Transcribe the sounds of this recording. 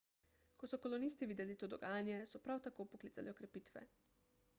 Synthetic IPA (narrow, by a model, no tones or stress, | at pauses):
kɔsɔkɔlɔnist̪iʋiːd̪ɛlit̪oːd̪ɔɡaːnjɛsɔpɾawt̪akopɔklit̪a̰lʔiɔkɾɛpiːt̪ʋɛ̰